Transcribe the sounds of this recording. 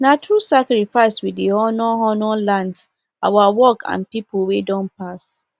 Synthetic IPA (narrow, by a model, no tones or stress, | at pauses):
natusakɾifaɪswidihɔnɔɦɔnɔ̃lãnd | a̰wawɔkʰã̰npipowedɔ̃npʰas